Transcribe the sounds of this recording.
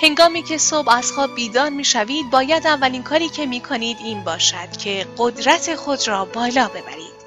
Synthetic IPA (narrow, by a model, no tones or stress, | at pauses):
he̞ŋɡɒːmiːcʰe̞sobæz̥xɒːbb̚bːiːd̪ɒːnmiːʃæviːd̪̚bɒːjæd̪ævːæliːnkʰɒːɾiːcʰe̞miːkʰoniːd̪iːnbɒːʃæd̪̥cʲʰe̞ɢod̪ɾæt̪ʰe̞xo̞d̪ɾɒːbɒːlɒːbe̞bæ̰ɾiːd̪̥